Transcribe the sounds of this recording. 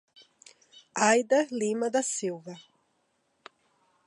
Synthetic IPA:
ajd̪ɐlimɐd̪ɐsiwvɐ

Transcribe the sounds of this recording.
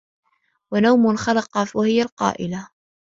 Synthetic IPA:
wanawmʊnxɑlɑqɑwahɪjalqɑ̰ːʔɪla

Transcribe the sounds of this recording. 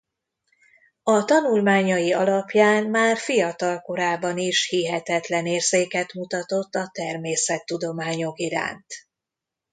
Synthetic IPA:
ɒt̪ɒnulmaːɲɒjiɒlɒpjaːnmaːrfijɒt̪ɒlko̞ɾaːbɒniʃhiɦɛt̪ɛt̪lɛneːrzeːkɛt̪mut̪ɒt̪o̞t̪ːɒt̪ɛrmeːsɛt̪ːud̪o̞maːɲo̞kiɾa̰ːnt̪

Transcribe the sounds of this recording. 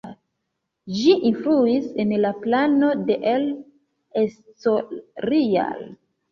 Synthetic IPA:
ʒiʔinfluisenlaplano̞de̞ʔel | estoɾia̰l

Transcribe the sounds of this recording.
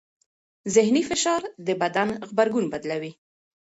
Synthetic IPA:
zɪhnifɪʃɑɾd̪əbad̪anɣbaɾɡunbad̪lawi

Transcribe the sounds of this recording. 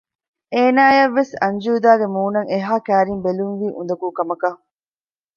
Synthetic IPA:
eːnaːjɐʋːesɐɲd͡ʒuːd̪aːɡemuːnɐŋeɦaːkæːɾimbeluŋʋiːʔund̪ɐkuːkɐmɐkɐ

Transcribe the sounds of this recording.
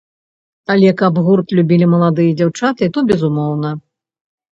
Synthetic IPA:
alʲɛkabɣurt̪lʲubʲilʲimɐlˠad̪ɨjɐd͡zʲawt͡ʂat̪ɨit̪ɔbʲɛzumɔwnɐ

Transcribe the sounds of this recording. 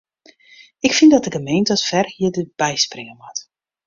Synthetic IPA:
ɪkfɪndɔt̚dəɡəmejntɔtfɛrhiədəb̥ɛjsprɪŋəmɔt

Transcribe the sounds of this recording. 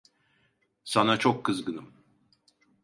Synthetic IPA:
sanat͡ʃʰokʰːɯzɡɯnɯm

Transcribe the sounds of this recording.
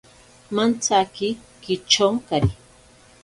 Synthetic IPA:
mant͡sakikɪt͡ʃoŋkaɾi

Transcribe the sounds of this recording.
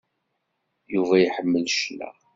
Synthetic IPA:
juvæjħəmːəlʃlæ̰

